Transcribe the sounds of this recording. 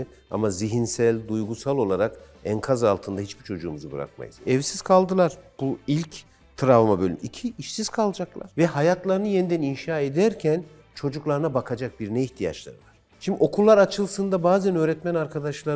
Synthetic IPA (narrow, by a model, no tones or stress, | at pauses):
a̰maziɦinsælʲd̪ujɡusalˠo̞lˠaɾak | ɛnkʰazalˠt̪ʰɯnd̪aɦit͡ʃbit͡ʃʰo̞d͡ʒuːmuzɯbɯ̰ɾa̰k̚ma̰jɯ̰z̥ɛvsiz̥kʰalˠd̪ɯlˠaɾ̥b̥uilʲc | t̪ʰɾavmabø̞lʲy̰micʰiiʃsiz̥kʰalˠd͡ʒaklˠa̰ɾ̥vɛhajat̪ʰlˠaɾɯnɯjenid̪æninʃaːed̪æɾcʰæn | t͡ʃʰo̞d͡ʒuklˠaɾɯnabakʰad͡ʒak̚biɾnɛiçt̪ʰija̰t͡ʃlˠa̰ɾɯvaɾ̥ | ʃimd̪io̞kʰulˠːaɾat͡ʃʰɯlˠsɯnd̪abaːzænø̞ːɾɛt̪mænaɾkʰad̪aʃlˠaɾ